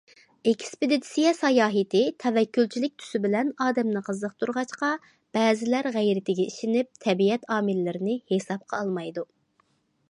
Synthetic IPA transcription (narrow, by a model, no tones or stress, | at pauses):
ekʲʰi̥spɪd̪ɪd̪ɪ̥sijɛsɑjɑːɦɨt̪ɪt̪ʰɛvɛkʲʰːylt͡ʃʰilɪk̚ʲt̪ʰy̥sɪbɪlɛnɑːd̪ɛmnɨqʰəzəqt̪ʰuɾʁɑt͡ʃqɑ | b̥ɛːzɪlæɾʁæjɾɪt̪ʰɪɡʲɛʔiʃɪnɪp̚t̪ʰɛbiɛt̪ʰɑːmɪlːɪɾɪnɪhesɑp̚qʰɑ̰ːlˠmɑjd̪u